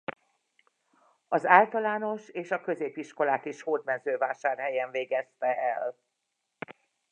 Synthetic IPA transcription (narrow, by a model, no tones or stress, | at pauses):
ɒzaːlt̪ɒlaːno̞ʃeːʃɒkø̞zeːpiʃko̞laːt̪iʃhoːd̪mɛnzøːvaːʃaːrɦɛjɛɱveːɡɛst̪ɛʔɛl